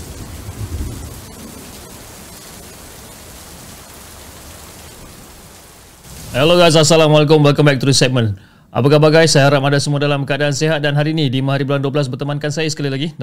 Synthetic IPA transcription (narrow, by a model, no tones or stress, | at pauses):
aloɡas̬asalamwalek̬ʊmbakambaik̚t̪ɾusɛk̚mə̃n | ʔa̰pakahbaɡajsajahaɾamadasəmuadalamkəadaːnseɦat̪̚danɦaɾiːnĩdimaɦaɾibulanduabəlas̬bərt̪əmankansajasə̥kalilaɡi